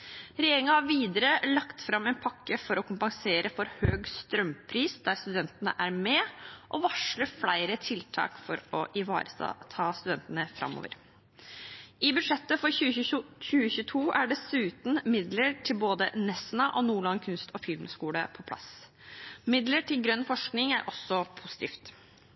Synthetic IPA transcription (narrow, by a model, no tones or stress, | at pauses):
ɾɛjeːɾɪŋɑhɑɾʋiːd̪əɾəlɑkt̪fɾɑmːɛɪnpʰɑkːəfɔɾɔkʰʊmpɑŋseːɾəfɔɾhøːɡst̪ɾœmpʰɾiːsd̪æɾst̪ʉd̪ɛnt̪ənə̰ʔæɾmɛʔɔʋɑʂləɾflæɪɾət̪ʰɪlt̪ʰɑ̰ːkfɔɾɔʔɪʋɑ̰ːɾəsɑ̰t̪ʰɑːst̪ʉd̪ɛnt̪ənəfɾɑ̰mːo̰ːʋə̰ɾ | ʔɪbʉʂɛt̪ːəfɔɾçʉːçʉːəçʉːət̪ʰuːʔæɖɛsʉːt̪nmɪd̪ləɾʈʰɪlboːd̪ə̰nɛsnɑʔɔnuːɭɑnkʰʉnst̪ʰɔfɪlmskuːləpʰɔpʰlɑ̰s | mɪd̪ləʈʰɪlɡɾœnːfɔʂknɪŋæɾʔɔsːɔpʰusɪ̥t̪iːft̪